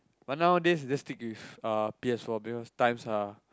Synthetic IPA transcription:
bat̚nawdɛsdɛstikwifapiɛsfɔbikɔstãj̃msa

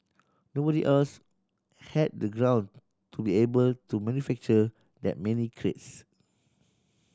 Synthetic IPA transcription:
nobɔɾiʔɛls | hɛd̚dəɡɹãw̃n | tubiebəltumɛ̃njufɛk̚t͡ʃə | dɛ̰t̚mɛ̃nikʰɹḛts

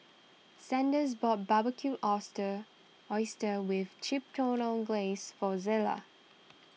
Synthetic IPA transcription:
sɛ̃ndəzbɔt̚b̥abəkʰuʔɔstə | ɔɪstəwɪð̥t͡ʃʰɪp̚tʰõnə̃nɡlesfɔzɪlə̰

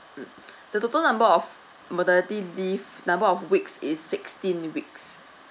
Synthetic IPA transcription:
d̥ətotəlnãmbəɔf | modɛlitilivnãmbəɔfwiksɪsːɪkstĩnwiks

